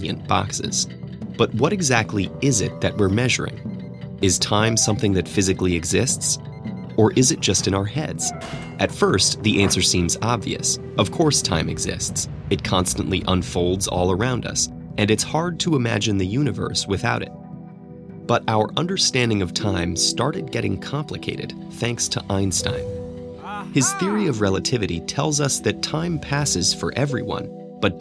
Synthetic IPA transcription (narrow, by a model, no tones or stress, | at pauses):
jɨ̰̃nb̥ɑ̰ksɪ̰z̥ | b̥ʌt̚wʌɾɨɡzæk̚tʰˡliɪzɪ̰t̪̚ðɨʔ̚wɪɹmɛʒə̰˞ɪ̰̃ŋ | ɨz̥tʰãɪ̃msʌ̃mθɪ̃ŋðɨtfɪzɨkliɨɡzɪsts | ə˞ʔɪzɨt̚d̥ʒ̥ʌstɨ̃ñaʊə˞hɛ̰dz̥ | ʔɨtfɜ˞stðiʔæ̃nsə˞sĩmzɑbvḭɨ̰s | ʌv̥kʰɔɹstʰã̰ɪ̃mɨ̰ɡzɪ̰sts | ɨt̚kʰɑ̃nstə̃nʔliʔə̃nfoʊlˠdzɔ̰lˠə˞ãʊ̃ndʌ̰s | ʔɨ̃nɨtshɑɹd̚tʰəəmæ̰d͡ʒɨ̃nðɨjʉnɨvɜ̰˞swɨθaʊɾɨ̰t̚ | b̥ʌɾʔaʊə˞ʔʌ̃ndə˞stæ̃ndɪ̃ŋʌv̥tʰãɪ̃mstɑɹɾɨd̚ɡɛɾɪ̰̃ŋkʰɑ̃mpʰləkʰeɪɾɨ̰d̪̥̚ | θæ̃ŋkstʰəʔãɪ̃nstã̰ɪ̃m | ɨz̥θɪɹiʌvɹɛlˠətʰɪvɨɾḭtʰɛlˠzʌsðɨtʰãɪ̃mpʰæsɨz̥fə̰˞ʔɛvɹḭwʌ̰̃n | b̥ʌt̚